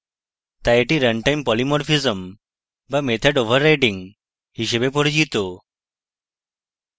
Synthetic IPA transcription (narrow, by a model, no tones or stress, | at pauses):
t̪ajeʈiɾəɳʈajmpɔlimɔɾfizəm | bamet̪ʰəɖoʋ̤əɾːajɖĩŋɡ | hiɕebepoɽd͡ʑit̪o